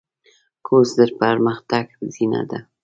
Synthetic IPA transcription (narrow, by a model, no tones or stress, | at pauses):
kʰosd̪əɾpaɾməxt̪aɡzina̰d̪a